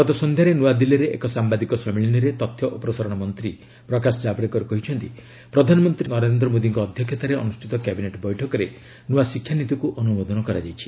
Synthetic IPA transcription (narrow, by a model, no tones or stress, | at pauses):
ɡɔt̪ɔsɔnd̪ʱjaɾenuwad̪iliɾeʔḛkɔsambad̪ikɔsɔmiɭiniɾet̪ɔt̪ʰjɔʔɔpɾɔsaɾɔɽ̃ɔmɔnt̪ɾi | pɾɔkasɔd͡ʒabɾekɔɾekɔɦit͡ʃʰɔnt̪i | pɾɔd̪ʱanɔmɔnt̪ɾinɔɾend̪ɾɔmod̪iŋkɔːd̪ʱjɔkʰjet̪aɾeɔ̰nusʈit̪ɔkabineʈbɔjʈʰɔkɔɾe | nuwasikʰːjanit̪ukuʔɔnumod̪ɔnɔkɔɾa̰d͡ʒajt͡ʃʰi̥